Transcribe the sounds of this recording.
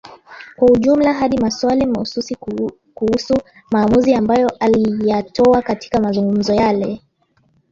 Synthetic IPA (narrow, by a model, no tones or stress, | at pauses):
kwauʄum̩laɦaɗimaswalimahususi | kuhusu | maːmuziambajɔʔalijatɔakati̥kamazuŋɡum̩zɔjalɛ